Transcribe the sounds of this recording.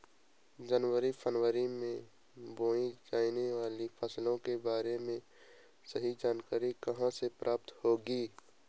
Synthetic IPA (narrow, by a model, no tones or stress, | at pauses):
d͡ʒənwəɾipʰənwəɾimẽ | boːĩd͡ʒaːineʋaːlipʰəslõkebaːɾemẽ | səɦid͡ʒaːnkaːɾikɐɦãsepɾʔaːp̚t̪hoːɡiː